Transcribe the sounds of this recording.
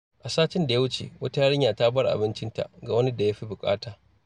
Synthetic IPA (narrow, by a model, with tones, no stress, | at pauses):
ʔa˨saː˦t͡ʃɪ˦nda˨ja˦wʊ˦t͡ʃḛː˨wɐ˦ta˦ja˦ɽɪ˦ɲjaː˨ta˦bɐ˦rʔa̰˨bɪ˦nt͡ʃɪ˦nta̰˨ɡa˨wɐ˦ni˦da˨ja˦ɸi˦bʊ˨kʼa̰ː˦taː˨